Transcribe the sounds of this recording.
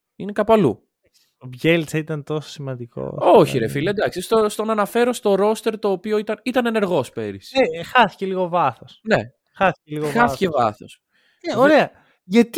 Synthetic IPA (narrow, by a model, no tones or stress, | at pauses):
ine̞kɐpɐlṵ | t̪opʝelt͡sɐit̪ɐnt̪o̞so̥simɐnd̪iko̰oçiɾe̞filɐed̪ɐksist̪ost̪o̞nɐnɐfe̞ɾo̞st̪o̞ɾo̞st̪e̞ɾt̪o̞ːpio̞it̪ɐnit̪ɐne̞ne̞ɾɣo̞spe̞ɾisexɐθi̥celiɣo̞vɐθosne̞̰ | xɐθi̥eliɣoxɐθi̥cevɐ̰θo̞̰s | eoɾeɐ | ʝɐt̪